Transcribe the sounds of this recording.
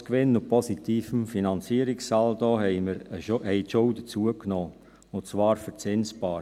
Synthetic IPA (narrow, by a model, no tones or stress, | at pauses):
kʋɪnːʊpʰɔsitiːfəmfinɑnt͡siːəɾɪksɑldɔːhɛɪməɾəhɛɪtʃʊʊdət͡suəknɔː | ʊt͡sʋɑːɾfət͡sɪnsbɑː